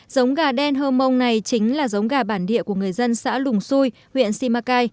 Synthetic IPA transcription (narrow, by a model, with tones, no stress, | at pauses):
zə˨˦wŋ͡mɣaː˨˩ɗɛ˧nɦəː˧mə˧wŋ͡mna˨˩jt͡ɕï˨˦ŋ̟laː˨˩zə˨˦wŋ͡mɣaː˨˩ɓaː˧˩nɗḭ˧˨əku˧˩əŋɨ˨˩əjzə˧nsa̰ː˧˥lʊ˨˩ŋ͡msu˧j | hwḭ˧˨ənsi˧maː˧kaː˧j